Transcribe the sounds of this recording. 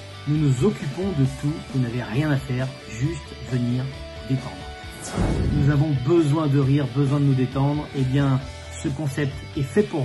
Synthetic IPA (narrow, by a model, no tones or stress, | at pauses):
nunuzɔkʲypɔ̃d̪ət̪ʰuvunavɛʁjɛ̃nafɛʁ | ʒyst̪vəniʁ | d̪et̪ɑ̰̃d̪ʁʁ | nuzavɔ̃bəzwɛ̃d̪əʁiʁbəzwɛ̃d̪ənud̪et̪ɑ̃d̪ʁebjɛ̃ | səkɔ̃sɛp̚t̪ɛfɛpuʁ